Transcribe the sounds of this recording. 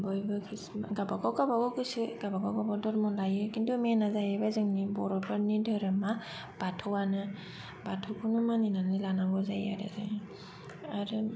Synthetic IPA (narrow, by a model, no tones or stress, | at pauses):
bɔjbɯkʰɾismaɡabaɡawɡabaɡɔɡɯsɯɡabaɡaɡabadɔɾmɔnlajɯkindumenazajɯbazɯŋnibɔɾɔpʰaɾnidɯɾɯma | b̥atʰɔwanɯ | batʰɔwkʰunɯmaninanɯlanaɡɔzaja̰ɾa̰za̰n | aɾɯ